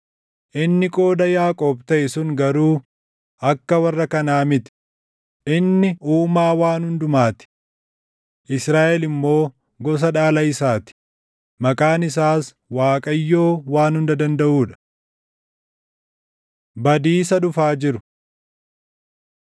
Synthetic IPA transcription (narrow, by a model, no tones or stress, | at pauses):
ʔɪnːɪkʼo̞ːd̪ɐjaːkʼoːb̚t̪ɐʔɛsʊŋɡɐɾuː | ɐkːɐwɐrːɐkɐnaːmɪt̪ɪ̥ | ʔɪnːɪuːmaːwaːnhʊnd̪ʊmaːt̪ɪ̥ | ʔɪsɾaːʔɛlɪmːo̞ː | ɡɔs̬ɐᶑaːlɐɪsaːt̪ɪ̥ | mɐkʼaːnɪs̬aːs | waːkʼɐjːo̞ːwaːnhʊnd̪ɐd̪ɐnd̪ɐʔuːᶑɐ̥ | bɐd̪iːsɐᶑʊfaːd͡ʒɪɾʊ